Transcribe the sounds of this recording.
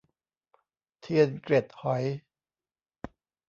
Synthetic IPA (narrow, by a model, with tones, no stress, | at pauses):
t̪ʰi˧ənkɾe˨˩t̪̚hɔ˨˩˦j